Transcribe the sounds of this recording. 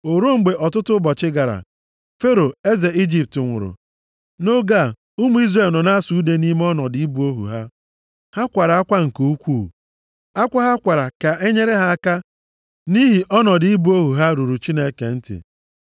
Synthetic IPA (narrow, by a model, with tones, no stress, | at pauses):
o˨ɾo˦ŋ͡m̩˨ɡ͡be˨ʔɔ˨tʊ˦tʊ˦bɔ˨t͡ʃɪ˦ɡa˨ɾa̰˨ | fe˦ɾo˨e˦ze˨i˦d͡ʒi˦˨p̚tɪ˨ŋʷʊ̰˨ɾʊ̰˨ | no˦ɡa˦˨ | u˦mu˨˦i˦zre˨lnɔ˨na˦su˨˦de˦ni˦m˦ɔ˦nɔ˨dɪ˨i˦bu˦o˦ɦṵ˨ɦa˦ | ha˦kʷa˨ɾa˨a˦kʷa˦ŋ̩˨ku˨u˦kʷuː˦˨ | a˦kʷa˦ɦa˦kʷa˨ɾa˨ka˨e˦ɲe˦ɾe˦ɦa˦a˦ka˦ | ni˦ɦi˨ʔɔ˦nɔ˨dɪ˨i˦bu˦o˦ɦu˨ɦa˦ɾu˨ɾu˨t͡ʃi˦ne˦ke˨n̩˦tɪ̰˨